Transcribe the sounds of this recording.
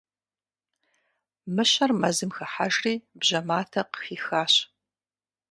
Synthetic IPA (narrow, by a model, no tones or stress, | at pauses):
mɨɕɐrmɐzɨmxɐħaʒriːbʑɐmaːtʰɐqə̥xiːxaːɕ